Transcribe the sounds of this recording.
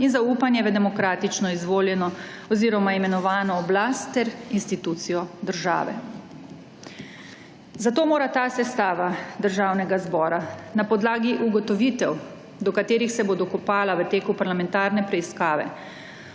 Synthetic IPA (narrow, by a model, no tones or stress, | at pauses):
inzauːpanjɛʋəd̪ɛmɔkɾaːt̪it͡ʃnɔizʋoːljɛnɔ | ɔziːɾɔmaimɛnɔʋaːnɔːblast̪ːɛɾinst̪it̪ut̪sijɔd̪əɾʒa̰ːʋɛ̰ | zat̪oːmoːɾat̪aːsɛst̪aːʋad̪əɾʒaːwnɛɡazbɔːɾanapɔd̪laːɡiʔuɡɔt̪ɔʋiːt̪ɛw | d̪ɔkat̪eːɾixsɛbod̪ɔkɔpaːlaʋət̪eːkupaɾlamɛ̃nt̪aːɾnɛpɾɛiskaːʋɛ̰